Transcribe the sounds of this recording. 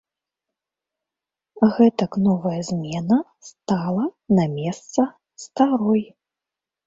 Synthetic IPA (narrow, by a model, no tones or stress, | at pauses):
ɣɛt̪ɐknɔvɐjɐzʲmʲɛnɐst̪alˠɐnamʲɛst̪sɐ | st̪aɾɔj